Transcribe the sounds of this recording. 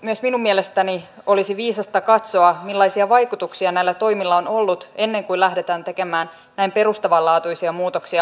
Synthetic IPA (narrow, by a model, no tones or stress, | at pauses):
myøsminumːielest̪æni | o̞lisiʋiːsɑst̪ɑkɑt̪soɑmilːɑisiɑʋɑjkut̪uksiɑnæilːæt̪o̞jmilːɑonolːut̪e̞nːe̞ŋkuilæhde̞t̪æːnt̪eke̞mæːn | næimpe̞ɾust̪ɑʋɑlɑːt̪uisiɑmuːt̪oksiɑ